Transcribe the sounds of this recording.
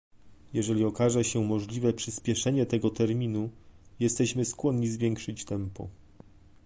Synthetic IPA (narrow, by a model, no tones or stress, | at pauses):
jɛʐɛlʲiɔkaʐɛɕɛmɔʐlʲivɛpʂɘspʲjɛʂɛɲɛt̪ɛɡɔt̪ɛɾmʲinujɛst̪ɛɕmɘskwɔnɲizvʲjɛŋkʂɘt͡ɕt̪ɛmpɔ̰